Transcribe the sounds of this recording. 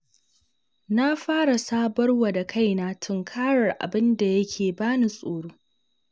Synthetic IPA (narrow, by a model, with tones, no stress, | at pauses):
na˦ɸaː˦ɽa˨saː˦bɐ˦rwa˨da˨kʰa˦jnaː˦tʰʊ˨ŋkʰaː˦ɽɐ˨rʔa̰˨bɪ˦nda˨jɐ˦kʲʰeː˨baː˦ni˦sʼoː˨ɽoː˦